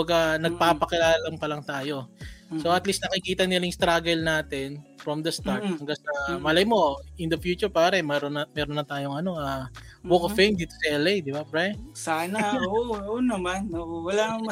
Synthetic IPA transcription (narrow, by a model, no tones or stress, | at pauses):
bɐɡɐnɐɡ̚paːpɐkɪlaːlɐŋpɐlɐŋt̪aːjo̞soʔɐt̪list̪nɐkɪkiːt̪ɐnɪlɐjʊŋst̪ɾaːɡɛlnaːt̪ɛnfɾɐmd̪ɐst̪ɐhɐŋɡaŋsɐmɐlɐjmo̞ɪnd̪ɐfjuːt͡ʃʊɹpaːɾɛmɛɾonɐmɛːɾonːɐt̪aːjoŋɐno̞aːwokofejmd̪iːt̪u̥siʔɛlejd̪ɪbapɹɛsaːnɐoʔoonɐmanoʔowɐla